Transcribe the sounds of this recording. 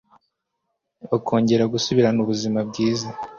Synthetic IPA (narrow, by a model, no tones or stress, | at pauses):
okʰo̞ːɲɟe̞ɾaɡusuβiɾanuβuzimab̚ɡiːza